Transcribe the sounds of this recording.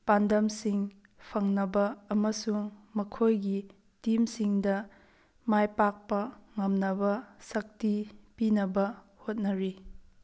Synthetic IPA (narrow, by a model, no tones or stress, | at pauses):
pandɐmsiŋ | pʰɐŋnɐbɐːmɐsuŋmɐkʰojɡi | timsiŋdɐ | majpak̚pɐŋɐmnɐbɐsɐk̚tipinɐbɐ | hot̚nɐɾi